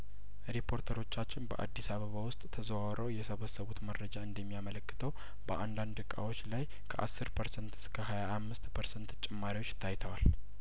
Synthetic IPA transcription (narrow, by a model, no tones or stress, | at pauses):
ɾipʰo̞ɾt̪ʰəɾo̞t͡ʃːat͡ʃːɪnbə̰ʔa̰d̪ːisaβəβawʊst̪ʼt̪ʰːəzəwawɾʔəwjɛsəβəsəβut̪mərːəd͡ʒaɨnd̪əmːijamələkːɨ̥t̪ʰəw | bəʔand̪and̪ɨkʼːa̰wo̞t͡ʃːlaj | kʰəʔa̰sːɨɾpʰəɾsənt̪ɨ̥skʰəɦajaːmːɨst̪pʰəɾsənt̪t͡ʃʼɛmːaɾiwo̞t͡ʃːt̪ʰːajt̪ʰəwal